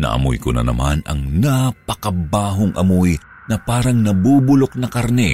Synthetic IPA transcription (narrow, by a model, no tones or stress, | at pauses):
nɐ̰ʔɐ̰mo̰jkʊnɐ̰nɐ̰manɐ̰ŋnɐpɐkɐbaːɦoŋʔɐmoj | nɐpaːɾɐŋnɐbuːbʊlok̚nɐkɐɾnɛ